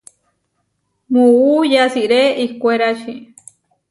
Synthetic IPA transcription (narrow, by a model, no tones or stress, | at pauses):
mũujasiʔɾeikʷeɾaʃi